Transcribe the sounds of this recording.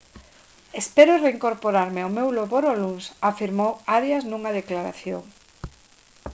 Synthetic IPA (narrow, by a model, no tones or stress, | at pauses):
espɛɾʊreiŋkoɾpoɾaɾmɪawmewloβoɾolunsafiɾmowaɾjɐznuŋɐðeklaɾa̰θjoŋ